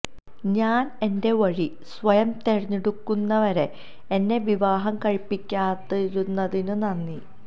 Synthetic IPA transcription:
ɲaːne̞nde̞ʋɐɻi | sʋɐjɐmt̪erɐɲːeɽukːunːɐʋɐɾe̞ | enːe̞ʋiʋaːɦɐmkɐɻipːikʲːaːt̪ːeɾunːɐðinɨnɐnːi

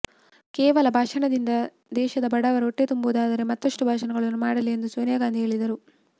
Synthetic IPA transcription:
kɛːʋɐlɐbʱaːʂɐɳɐd̪ind̪ɐ | d̪ɛːʃɐd̪ɐbɐɽɐʋɐɾoʈːet̪umbuːd̪aːd̪ɐɾe̞mɐt̪ːɐʂʈubʱaːʃɐnɐɡɐɭɐnːumaːɽɐlːie̞nd̪usoːnijaːɡaːnd̪ʱieːɭid̪ɐɾu

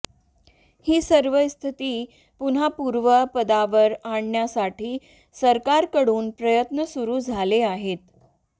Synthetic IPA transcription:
hiːsəɾʋəst̪ʰit̪iː | pun̤apuɾʋəpəd̪aʋəɾaɳɳjasaʈʰiː | səɾkaɾkəɽuːnpɾəjət̪nəsuɾuːd͡zʱaleaɦet̪

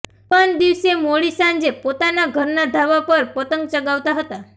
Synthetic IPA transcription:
pənd̪iʋsemoɭisãnd͡ʒepot̪anaɡʱəɾnad̪ʱaʋapəɾpət̪əŋɡ̚t͡ʃəɡaʋt̪aɦət̪a

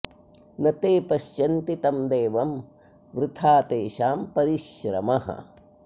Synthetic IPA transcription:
nɐt̪eːpɐʃjɐnt̪it̪ɐmd̪eːʋɐm | ʋɾɪt̪ʰaːt̪eːʃaːmpɐɾiʃɾɐ̰mɐɦɐ̰

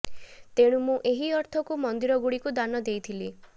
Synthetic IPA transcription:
t̪eɽ̃ũmũʔeɦiɔɾt̪ʰɔkumɔnd̪iɾɔɡuɽikud̪anɔd̪ejt̪ʰili

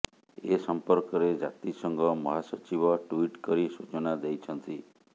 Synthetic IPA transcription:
esɔmpɔɾkɔɾed͡ʒa̰t̪isɔŋɡɔmɔɦasɔt͡ʃiβɔʈuiʈkɔɾisut͡ʃɔnad̪ejt͡ʃʰɔnt̪i

